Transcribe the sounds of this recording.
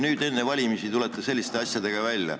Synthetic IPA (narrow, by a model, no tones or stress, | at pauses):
nyːd̪e̞nːevɑlʲimisit̪ule̞t̪ːˑese̞lʲːist̪e̞ɑsʲjɑd̪e̞ɡ̥ɑvælʲːjɑ̰